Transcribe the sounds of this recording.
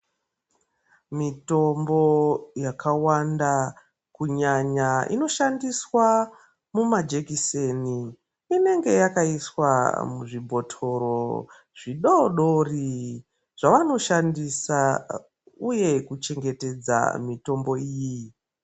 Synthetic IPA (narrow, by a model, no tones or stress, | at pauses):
mito̞mbo̞jakʰawanda | kuɲaɲaʔḭno̞ʃandiswa | mumad͡ʒekiseni | ine̞ŋɡe̞jakaiswa̰muʐibʱo̞tʰo̞ɾo | ʐ̥iɗoɗo̞ri | ʐ̥aʋano̞ʃandisa | uje̞kut͡ʃe̞ŋɡe̞te̞d͡za̰mito̞mbo̞iːji